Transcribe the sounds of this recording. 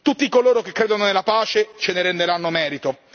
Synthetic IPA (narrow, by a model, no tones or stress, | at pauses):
t̪ut̪ːikoloːɾok̟ekːɾeːd̪ononelapaːt͡ʃet͡ʃeneɾend̪eɾanːomɛːɾit̪o